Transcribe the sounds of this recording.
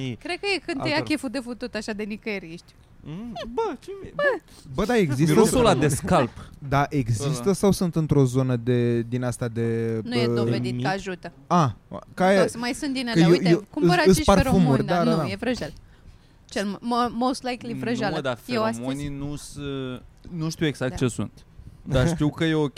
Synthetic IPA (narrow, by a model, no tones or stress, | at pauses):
kɾed̪̚kəjekɨnt̪jakʲefud̪e̞fut̪ut̪aʃad̪e̞nikəeɾiʃt̪ʲ | bət͡ʃebə | bəd̪aeɡzist̪oolad̪eskalpd̪aʔe̞ɡzist̪əsawsunt̪ɨnt̪ɾo̞zo̞nəd̪e̞d̪inast̪ad̪e̞nujed̪o̞ved̪ikəaʒut̪ə | akajesmajsunt̪d̪ineəejkuməaɨsiparɾfumurʲd̪adnad̪ajevɾəʒal | t͡ʃelmməmowst̪lajklivɾəʒald̪afeewamoninusɨnuʃt̪iweɡz̥akt̪̚t͡ʃe̞sṵnt̪ | d̪aʃt̪iwkəjeo